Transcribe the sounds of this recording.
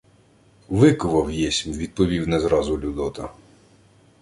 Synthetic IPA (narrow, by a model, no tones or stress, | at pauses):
ʋɪkʊʋɐwjɛsʲmʲʋʲid̪̚pɔʋʲiwnɛzɾɑzʊlʲud̪ɔt̪ɐ